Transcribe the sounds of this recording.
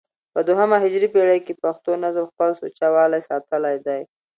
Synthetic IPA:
pəd̪oɦamaɦɪd͡ʒɾipeɽajkepaxt̪onazəmxpəlsot͡ʃawɑlajsɑt̪əlajd̪aj

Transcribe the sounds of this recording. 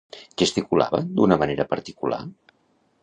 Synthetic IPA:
ɡəst̪ikula̰βə̰nd̪unəməneɾəpəɾt̪ikula̰

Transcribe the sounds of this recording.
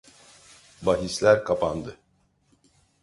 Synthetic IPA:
baɦislʲæɾkʰapʰand̪ɯ

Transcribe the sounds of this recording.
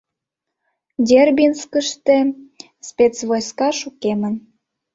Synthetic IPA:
d̪ʲerbʲinskəʃt̪ĕ | spʲet͡svojskɑʃukemən

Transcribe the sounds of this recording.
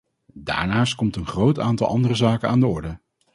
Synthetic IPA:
da̰ːɹnaːst̚kɔmtənχrowtaːntɑ̰lˠɑndərəzaːkəna̰ːndəɔɹdə

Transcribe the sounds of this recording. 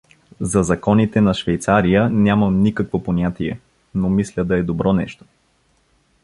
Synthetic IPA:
zɐzɐkɔnit̪ɛnɐʃvɛjt̪saɾijənʲamənikəkvoponʲat̪iɛ | nomislʲəd̪ɐɛd̪obɾɔnɛʃt̪o̥

